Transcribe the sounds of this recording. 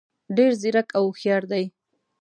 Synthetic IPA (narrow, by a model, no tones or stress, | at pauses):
ɖeɾziɾakawxjɑɾd̪aj